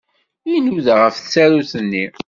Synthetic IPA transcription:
jinuðʁəfθsæɾuθənːi

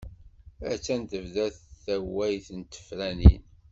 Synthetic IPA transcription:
æ̰t͡sːænt̪əvðæθθæwːæjθənt̪ə̥fɾænḭn

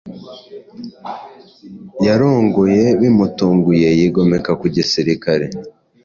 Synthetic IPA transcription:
jaɾo̞ːŋɡo̞je̞βimutuːŋɡuje̞jiɡo̞me̞kakuɟisiɾikaɾe̞

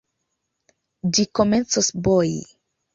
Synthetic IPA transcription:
d͡ʒikome̞nt͡sosbojḭ

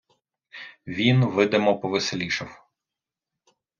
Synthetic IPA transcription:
ʋʲinʋɪd̪emɔpɔʋɪselʲiʃɐw

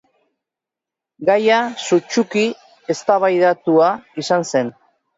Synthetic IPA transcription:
ɡajasut͡ʃuki | e̞st̪aβajðat̪uaisanse̞n

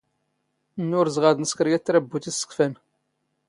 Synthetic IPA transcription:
nːʊɾzʁaðənəskəɾjæt͡sːɾæbːut̪isə̥kfæn

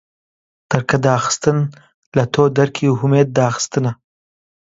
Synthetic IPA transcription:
t̪əɾkad̪aaxɪ̥st̪ən | lat̪ʰod̪aɾkʰiɦʊmed̪̚ːaːxɪ̥st̪əna

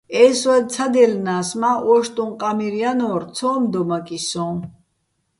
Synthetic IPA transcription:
ɛswɛt͡sʰad̪ɛlnaːsmaʔwɔʃt̪ʼũnqʼamiɾijanɔɾt͡sʰɔːmd̪ɔmakʼisɔ̃

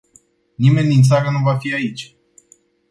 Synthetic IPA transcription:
nime̞nd̪int̪saɾənuvafiait͡ʃʲ

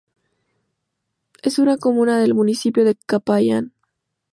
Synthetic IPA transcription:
e̞sunako̞mũnaðe̞lmunisipjoðekapajan

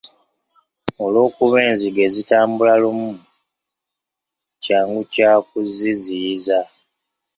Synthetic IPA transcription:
olo̞ːkuβeːnziɡe̞zitaːmbulalumu | caːŋɡucaːk̚uziziza

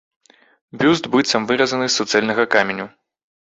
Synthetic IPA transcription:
bʲuzd̪bɨt̪sɐmvɨɾɐzɐnɨsːɐt̪sɛlʲnɐɣɐkamʲenʲu

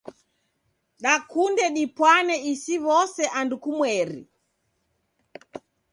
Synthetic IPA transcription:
ɗakundɛɗipwanɛisiβɔsɛʔandukumwɛɾḭ

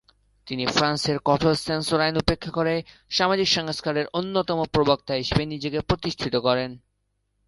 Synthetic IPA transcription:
t̪inifɾanseɾkɔʈʰosensoɾajnupekʰːakoɾe | ʃamad͡ʑikʃɔŋoskaɾeɾonːot̪ɔmopɾobok̚t̪aɦeʃebenid͡ʑekepɾot̪iʃʈʰit̪okɔɾen

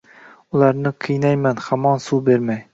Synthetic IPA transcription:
ulˠɑɾnɨqʰɨjnɛjmɛnχæmɑnsubeɾmɛj

